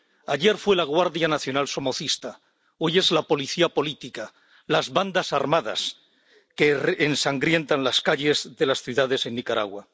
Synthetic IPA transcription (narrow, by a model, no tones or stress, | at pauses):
aʎe̞ɾfwe̞laɣwaɾðjanaθjo̞nalso̞mo̞θist̪a | oje̞zlapo̞liθiapo̞lit̪ika | lazβand̪asaɾmaða̰s | keːnsaŋɡɾje̞nt̪anlaskaʎe̞zðe̞lasθjuðaðe̞se̞nːikaɾa̰ɣwa̰